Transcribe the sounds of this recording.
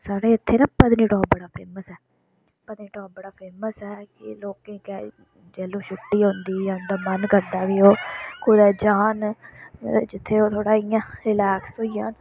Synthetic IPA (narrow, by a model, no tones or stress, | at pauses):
saːɽeːɪt̪ʰːeːnãːpəd̪niːʈɔ̃ːbəɽaːpʰeːməsɛː | pəd̪niːʈɔ̃ːbəɽaːpʰeːməsɛːkɪloːkẽːkɛ | d͡ʒɛːlũːʃʊʈːiːɦʊ̃nd̪iːʊnd̪aːmənkəɾd̪aːʋiːɦoːkʊɾɛːd͡ʒaːn | d͡ʒɪt̪ʰːeːoːt̪ʰoːɽaːɪjãːɾɪlɛːksoːijãːn